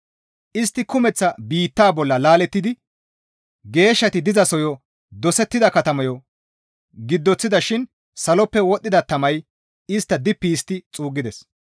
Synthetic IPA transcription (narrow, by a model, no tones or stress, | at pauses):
ʔɪst̪ːɪkʊmɛt͡sːɐbiːt̪ːaːbɔlːɐlaːlɛt̪ːɪd̪ɪ | ɡe̞ːʃːɐt̪ɪd̪ɪzɐsɔjɔ | d̪ɔsɛt̪ːɪd̪ɐkɐt̪ɐmɐjɔ | ɡɪd̪ːɔt͡sːɪd̪ɐʃɪn | sɐlɔpːɛwɔt̪ʼːɪd̪ɐt̪ːɐmɐj | ɪst̪ːɐd̪ɪpːiːst̪ːɪt͡sʼuːɡːɪd̪ɛs